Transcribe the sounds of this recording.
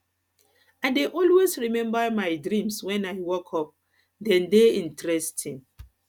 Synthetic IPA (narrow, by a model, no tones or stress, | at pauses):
aɪdeʔɔlwesɹimɛ̃mbəmajdɹĩmswɛ̃najwɔkʰɔp̚ | dɛ̃ndeĩntɹɛstʰĩn